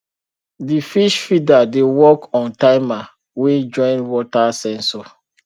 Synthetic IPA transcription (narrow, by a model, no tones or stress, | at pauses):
difiʃfidadewɔkɔ̃ntaɪma | wĩd͡ʒɔ̃ɪ̃nwɔtasɛ̃nsɔ